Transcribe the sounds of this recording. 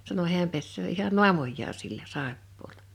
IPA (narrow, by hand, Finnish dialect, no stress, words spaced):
sɑno hiæm pesːøː ihɑn nu̞ɑmojːɑː silːæ sɑˑepːoːlɑ